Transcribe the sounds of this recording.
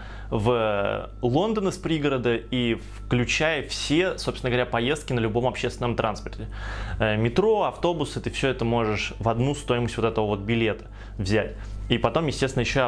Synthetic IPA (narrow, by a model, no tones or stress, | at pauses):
və | lˠo̞nd̪ənəspɾʲiɡəɾəd̪əifklʲʉt͡ɕæjəfsʲe̞sopsʲnɡəvɾʲapɐje̞st̪kʲɪnəlʲʊbo̞mɐpɕːest̪ʲɪnəmt̪ɾa̰nspərtʲɪəmʲɪt̪ɾo̞ɐft̪o̞bʊsɨt̪ɨfsʲɵɛt̪əmo̞ʐɨʂvɐd̪nust̪o̞jɪməsʲtʲvo̞t̪ɛt̪əvəvo̞t̪̚bʲɪlʲe̞t̪ə̥ | vzʲætʲ | ipɐt̪o̞mjɪsʲtʲesɪnəjɪɕːo